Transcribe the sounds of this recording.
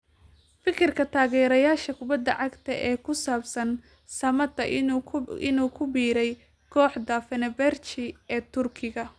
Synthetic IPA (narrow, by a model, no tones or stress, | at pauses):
fɪkʰɪrkʰɐt̪ʰaːɣɛːɾɐjaːʃɐkʰʊbɐd̪ːɐʕɑɡt̪ʰɐʔɛːkʰʊsaːbsɐn | sɐmɐt̪ːɐ | ɪ̰nuːkʰʊbiːɾɛj | kʰɔːħd̪ɐfɛnɛbɛrt͡ʃɪɛːt̪ʰʊrkʰɪɣɐ